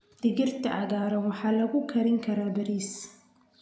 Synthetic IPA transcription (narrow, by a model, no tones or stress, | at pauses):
d̪̥ɪɣɪrt̪ʰɐʔɑ̰ɣaːɾɐwɑħɑːlɐɣʊkʰɐɾɪŋkʰɐɾaːbɐɾiːs